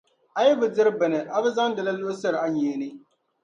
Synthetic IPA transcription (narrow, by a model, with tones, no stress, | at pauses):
a˨jɛ˦bɨ˨dɪ˦ɾɨ˦bɨ˨nɨ˨ʔa˨bɛ˦za˦ŋ˦dɨ˨la˦lʊ˦ʔsɛ˦ɾɨ˨a˦ɲeː˨nɨ˦